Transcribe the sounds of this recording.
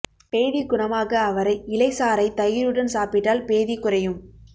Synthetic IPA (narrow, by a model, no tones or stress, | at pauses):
peːðiɡʊɳɐmaːɣɐːʋɐɾɐɪɪlɐɪsaːɾɐɪt̪ɐjɪɾɯɽɐnsaːpɪʈːaːlpeːðikʊɾɐjɯm